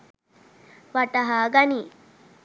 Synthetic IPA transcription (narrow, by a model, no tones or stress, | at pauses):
ʋaʈaɦaɡani